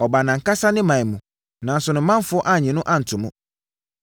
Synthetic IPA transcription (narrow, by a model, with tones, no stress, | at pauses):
ɔ˨ba˨nã˨ŋ̩˨ka˦sa˦nɪ̃˦mã˨ɲ˨mũ˨ | nã˨n̩˨sʊ˨nʊ̃˨˦mã˦n˦fʊ˦ɔ˦ʔa˦˨ɲĩ˨nʊ̃˦ʔa˦n̩˨tʰʊ˨mʊ̃˦